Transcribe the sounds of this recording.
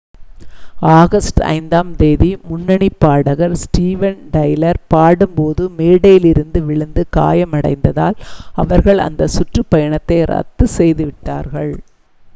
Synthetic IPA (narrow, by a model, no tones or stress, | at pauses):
aːɣɐsʈɐ̰ɪnd̪aːmd̪eːðimʊnːɐɳipːaːɽɐɣɐɾsʈiːʋɐnɖɐjlɐɾpaːɽɯmpoːðɯmeːɽɐjɪlɪɾɯnd̪ɯʋɪɭɯnd̪ɯka̰ːjɐmɐɽɐ̰ɪnd̪ɐða̰ːlɐʋɐɾɣɐɭɐ̰nd̪ɐsʊʈrɯpːɐjɐɳɐt̪ːɐɪɾɐ̰t̪ːɯsɛjðɯʋɪʈːa̰ːɾɣɐɭ